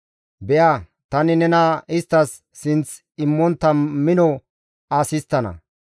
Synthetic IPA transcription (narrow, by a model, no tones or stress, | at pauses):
bɛja | t̪ɐnɪnɛnɐɪst̪ːɐsː | ɪnt͡s | ɪmːɔnt̪ːɐmɪnɔ | aːsɪst̪ːɐnɐ̰